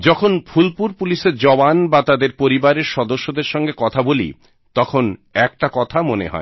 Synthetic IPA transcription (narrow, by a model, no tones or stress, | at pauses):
d͡ʑɔkʰonfʰulpuɾpuliʃeɾd͡ʑɔbanbat̪ad̪eɾpoɾibaɾeɾʃɔd̪oʃːod̪eɾʃɔŋɡekɔt̪ʰabolḭ | t̪ɔkʰonɛkʈakɔt̪ʰamonḛɦɔ̰e